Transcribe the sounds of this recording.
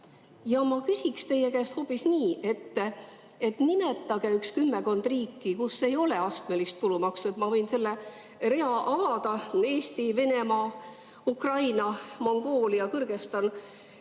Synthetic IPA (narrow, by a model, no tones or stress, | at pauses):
jɑmɑkysʲikst̪e̞je̞kæːst̪ho̞pːˑisniːʔe̞t̪ː | e̞t̪nimet̪ˑːɑɡ̥eykskymːe̞ko̞nd̪̥riːkːikusːe̞jo̞le̞ɑst̪me̞list̪tːulumɑkset̪mɑvɤ̞jnse̞lːe | ɾe̞ɑʔɑvɑd̪ɑe̞ːst̪ive̞ne̞mɑː | ukrɑjnɑmo̞ŋɡ̥o̞ːliɑkɤrɡ̥e̞st̪ɑn